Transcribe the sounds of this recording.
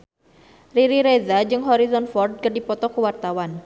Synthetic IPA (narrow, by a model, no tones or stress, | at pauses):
riɾiɾezad͡ʒɨŋɦɔɾizɔnfɔrd̚kərdipɔt̪ɔkuwart̪awan